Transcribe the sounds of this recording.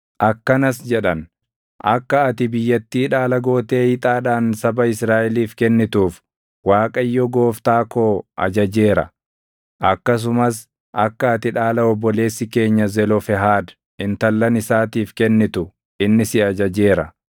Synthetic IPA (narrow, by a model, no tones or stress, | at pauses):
ʔɐkːɐnɐs̬d͡ʒɛᶑɐn | ʔɐ̰kːɐːt̪ɪbɪjːɐt̪ːiːᶑaːlɐɡo̞ːt̪e̞ːjɪt̪ʼaːᶑaːnsɐbɐɪsɾaːʔɛliːfkɛnːɪt̪uːf | waːkʼɐjːɔɡo̞ːft̪aːkoːʔɐ̰d͡ʒɐd͡ʒe̞ːɾɐ̰ | ʔɐkːɐs̬ʊmɐs̬ | ʔɐkːɐːt̪ɪᶑaːlɐɔbːɔle̞ːsːɪke̞ːɲːɐzɛlɔfɛɦaːd̪ | ɪnt̪ɐlːɐnɪsaːt̪iːfkɛnːɪt̪ʊ | ɪnːɪsɪɐd͡ʒɐd͡ʒe̞ːɾɐ